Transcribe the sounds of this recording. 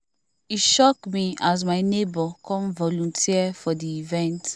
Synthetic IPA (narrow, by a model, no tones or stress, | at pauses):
iʃɔkmiaz̬maɪnebɔkʰɔ̃mvɔlɔ̃ntʰiɛfɔdiːvɛ̃nt